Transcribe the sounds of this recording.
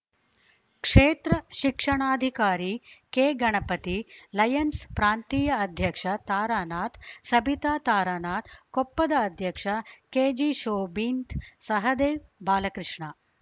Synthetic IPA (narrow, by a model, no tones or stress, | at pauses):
kʂeːt̪ɾɐʃikʂɐɳaːd̪ʱikaːɾiːkeːɡɐɳ̃ɐpɐt̪ilɐjɐnspɾaːnt̪iːjɐɐd̪ʱjɐkʂɐt̪aːɾaːnaːt̪sɐbʱit̪aːt̪aːɾaːnaːt̪kopːɐd̪ɐɐd̪ʱjɐkʂɐkeːd͡ʒiʃoːbiːnt̪sɐɦɐd̪eːbaːlɐkɾɪʂɳa